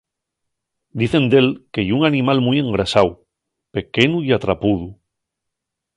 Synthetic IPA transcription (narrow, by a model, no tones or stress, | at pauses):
d̪iθe̞nd̪e̞lkejuŋanĩmalmujẽ̞ŋɡɾasaw | pe̞kenuiat̪ɾapuðu